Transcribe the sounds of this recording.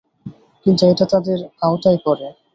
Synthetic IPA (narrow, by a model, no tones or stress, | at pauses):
kint̪uejʈat̪ad̪eɾaot̪ajkɔɾe